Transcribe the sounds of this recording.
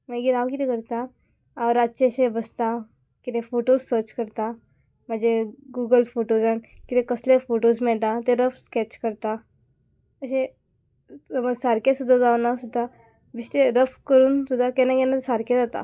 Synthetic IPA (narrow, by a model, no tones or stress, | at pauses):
m̤ãɡiɾaʋkit̪ẽkəɾt̪aː | ʋɾat͡ʃeɕẽbəst̪a | kit̪ẽfoʈossəɾt͡ɕkəɾt̪a | m̤ãd͡zeɡuːɡəlfoʈozãnkit̪ẽkəslefoʈosmɛɭʈat̪eɾəfskɛt͡ɕkəɾt̪a | əɕẽ | əməsaɾkesud̪ʱːad͡zaʋnasud̪ʱːa | bisʈ̪eɾəfkəɾuːnsud̪ʱːakɛnaɡɛnasaɾked͡zat̪a̰